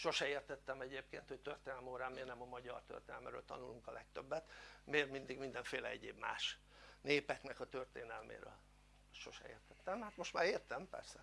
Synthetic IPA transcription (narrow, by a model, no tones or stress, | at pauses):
ʃo̞ʃɛeːrt̪ɛt̪ːɛmɛɟeːpkḛːnt̪ho̞c̚t̪ørt̪eːnɛlmoːɾaːmmeːrnɛmɒmɒɟɒrt̪ø̰rt̪eːnɛ̰lmɛɾøːlt̪ɒ̰nuluŋkɒlɛk̚t̪øbːɛt̪meːrmind̪iɡmind̪ɛɱfeːlɛ̰ɛɟeːbma̰ːʃ | neːpɛknɛkɒt̪ørt̪eːnɛlmḛːɾø̰ːl | ʃo̞̰ʃɛ̰ḛːrt̪ɛt̪ːɛmhaːt̪moʃt̪maːɾeːrt̪ɛmpɛ̰rsɛ